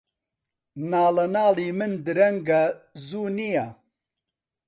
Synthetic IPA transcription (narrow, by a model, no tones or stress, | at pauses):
naːlɐnaːliːmɨnd̪ɨɾɐŋɡazuːnija